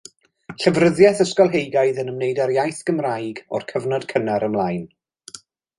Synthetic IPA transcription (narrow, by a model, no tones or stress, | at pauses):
ɬəvrəðjɛθəskɔlˠɦejɡajðənəmnejdaɾjajθɡ̥əmrajɡɔ̰rkʰəvnɔd̥kʰənaɾəmlˠajn